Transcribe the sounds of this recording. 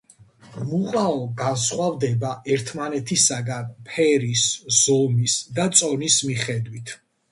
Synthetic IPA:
muqʼaɔɡansχwavd̪ɛbaʔɛɾt̪ʰmanɛt̪ʰisaɡanpʰɛɾisz̥ɔmisd̪at̪sʼɔnismiχɛd̪wit̪ʰ

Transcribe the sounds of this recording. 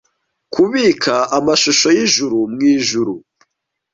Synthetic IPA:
kuβiːkʰaamaʃoʃo̞jiʒuɾumŋiːʒuɾu

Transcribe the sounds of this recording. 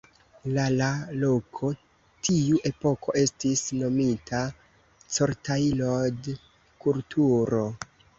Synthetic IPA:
lalalo̞kʰo̞ | tʰiuʔe̞po̞ko̞ʔe̞stisno̞mitʰa | t͡so̞ɾtailod | kultʰuɾo̞

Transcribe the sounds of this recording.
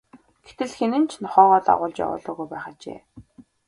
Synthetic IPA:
ɡ̥et̪ɘ̆ɮxenɘ̆nt͡ɕʰnɔχɔːʁɔːt̪a̰ʁʊːɮt͡ɕja̰wʊ̰ːɮɔːɣujpæːχaːt͡ɕḛː

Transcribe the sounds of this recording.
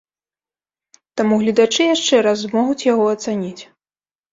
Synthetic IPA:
t̪amuɣlʲɐd̪at͡ʂɨjaʂt͡ʂɛɾaz̬mɔɣut͡sʲjaɣɔɐt̪sanʲit͡sʲ

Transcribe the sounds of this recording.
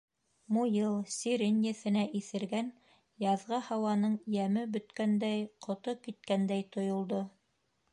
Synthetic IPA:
mujɤlˠsʲiɾenʲjɘ̆θɘ̆næʔiθɘ̆ɾɡæn | jɑðʁɑhɑwɑnɤɴjæmɘbɵ̆t̪kænd̪æjqʰŏt̪okit̪̚kænd̪æjt̪ŏjŏlˠd̪o

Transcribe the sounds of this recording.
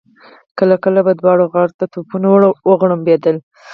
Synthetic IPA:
kəlakəlabad̪wɑɽoɣɑɽt̪at̪upunawɽwəɣɽəmbed̪əl

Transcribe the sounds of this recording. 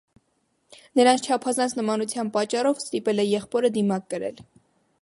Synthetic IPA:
nəɾɑnt͡sʰt͡ʃʰɑpʰɑzɑnt͡sʰnəmɑnut͡sʰjɑnpɑt͡ʃːɑrɔvst̪ipɛlɛjɛχpɔɾəd̪imɑk̚ːəɾɛ̰l

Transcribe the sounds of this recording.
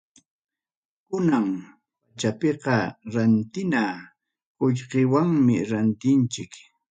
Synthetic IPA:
kʊnaŋ | pat͡ʃapeqɑɾant̪ɪna | qoʎqewaŋmɪɾant̪ɪnt͡ʃɪk

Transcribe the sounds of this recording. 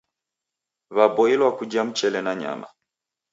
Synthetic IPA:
βabɔilwakud͡ʒam̩t͡ʃɛlɛnaɲa̰ma̰

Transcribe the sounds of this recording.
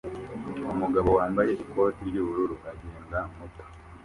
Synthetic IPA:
omuɡaβo̞waːmbajeɾiko̞ːtiɾiβuluɾuʔaɟeːŋɡamuto̥

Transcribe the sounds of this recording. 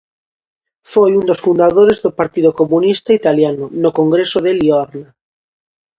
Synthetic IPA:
fojund̪osfund̪aðoɾezðopaɾt̪iðokomunist̪ait̪aljanonokoŋɡɾesoð̞elioaɾna

